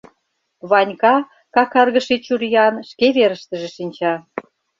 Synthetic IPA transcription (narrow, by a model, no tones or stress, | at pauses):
βɑnʲkɑ | kɑkɑrɣə̆ʃit͡ɕuɾijɑnʃkeβeɾə̆ʃt̪ə̆ʒĕʃinʲt͡ɕɑ